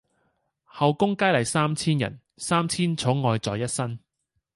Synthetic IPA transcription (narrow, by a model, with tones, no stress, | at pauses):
hɐ˨wkʊ˥ŋkaː˥jlɐ˨˩jsaː˥mt͡sʰiː˥njɐ̰˨˩n | saː˥mt͡sʰiː˥nt͡sʰo˨˥ŋɔː˧jt͡sɔː˨jɐ˥t̚sɐ˥n